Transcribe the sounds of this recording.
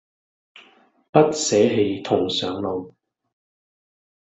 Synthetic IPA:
pɐ˥t̚sɛː˨˥ɦe˧jt̪ʰʊ˨˩ŋsœː˨˥ŋlo˨˧w

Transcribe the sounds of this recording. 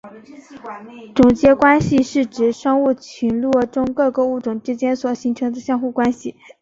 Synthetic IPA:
ʈ͡ʂʊ˨˩ŋt͡ɕjɛ˧˥kwa˥nɕi˨ʂɻ̩˥˩ʈ͡ʂɻ̩˨˩ʂɑ˥ŋu˥˩t͡ɕʰy˧˥nlwɔ˥˧˩ʈ͡ʂʊ˥ŋkɤ˥˧kɤ˥˧u˥˩ʈ͡ʂʊ˨˩ŋʈ͡ʂɻ̩˥t͡ɕjɛ˥nswɔ˨˩ɕi˧˥ŋʈ͡ʂʰɤ˧˥ŋd̪ə˧ɕjɑ˥˧ŋxu˥˩kwa˥nɕi˨˩˦

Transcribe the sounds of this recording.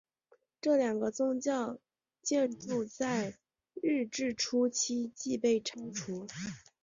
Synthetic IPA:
ʈ͡ʂɤ˥˩ljɑ˨˩ŋɡə˦t͡sʊ˥ŋt͡ɕjɑ˥˧ʊ | t͡ɕjɛ˥˧nʈ͡ʂu˥˧t͡sa˥˧ɪ | ɻɻ̩˥˧ʈ͡ʂɻ̩˥˩ʈ͡ʂʰu˥t͡ɕʰi˥t͡ɕi˥˧pe˥˩ɪʈ͡ʂʰɑ˥ŋʈ͡ʂʰu˧˥

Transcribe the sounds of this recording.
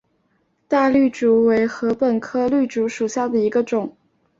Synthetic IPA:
t̪a˥˧ly˥˩ʈ͡ʂu˧˥we˧˥ɪxɤ˧˥pə˨˩nkʰɤ˥ly˥˩ʈ͡ʂu˧˥ʂu˨˩ɕja˥˩d̪ə˩i˧˥ɡə˧ʈ͡ʂʊ˨˩˦ŋ

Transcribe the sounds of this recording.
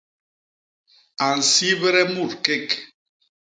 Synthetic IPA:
a˨n̩˨si˦βɾɛ˦mu˦˨ɾke˦˨k

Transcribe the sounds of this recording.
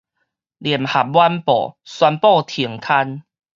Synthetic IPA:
li˨˩əmha˨˩p̚bwa˦npɔ̰˨˩swa˧npɔ˥˧˨t̪ʰi˨˩əŋkʰa˧n

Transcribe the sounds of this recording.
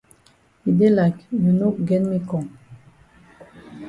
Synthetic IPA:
i˨de˦laknə˨no˦ɡɛ̃˦nmi˦kʰɔ̃˨ŋ

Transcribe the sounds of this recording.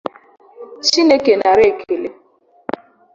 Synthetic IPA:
t͡ʃi˦ne˦ke˨na˨ɾe˦˨kʰe˨le˨

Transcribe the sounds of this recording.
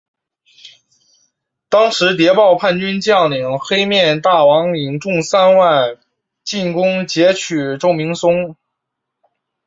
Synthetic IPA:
t̪ɑ˥ŋʂɻ̩˧˥t̪̬jɛ˧˥pɑ˥˧ʊpʰa˥˩nt͡ɕy˥nt͡ɕjɑ˥˩ŋli˨˩ŋxe˥ɪmjɛ˥˧nt̪a˥˩wɑ˧˥ŋi˨˩ŋʈ͡ʂʊ˥˧ŋsa˥nwa˥˩˧ɪ | t͡ɕi˥˩nkʊ˥ŋt͡ɕjɛ˧˥t͡ɕʰy˨˩ʈ͡ʂo˥˩ʊmi˧˥ŋsʊ˥ŋ

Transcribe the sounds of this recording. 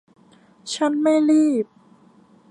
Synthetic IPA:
t͡ɕʰa˦˥˨nma˥˩jɾiː˥˩p̚

